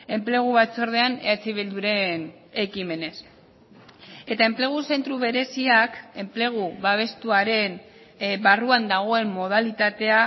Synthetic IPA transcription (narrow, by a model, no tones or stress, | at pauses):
e̞mple̞ɣ̞uβat͡soɾð̞e̞anḛat͡siβild̪uɾe̞n | ekime̞ne̞s | e̞t̪ae̞mple̞ɣ̞use̞nt̪ɾuβe̞ɾe̞siake̞mple̞ɣ̞uβaβ̞e̞st̪uaɾe̞n | baruand̪aɣ̞o̞e̞mːo̞ð̞alit̪at̪e̞a